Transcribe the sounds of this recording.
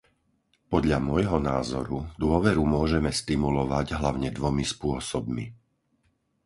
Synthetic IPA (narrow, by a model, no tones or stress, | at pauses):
pɔd̪ʎamɔjɦɔnaːzɔɾud̪ʊɔʋɛɾumʊɔʒɛmɛst̪imulɔʋaɟɦlaʊɲɛd̪ʋɔmispʊɔsɔb̚mḭ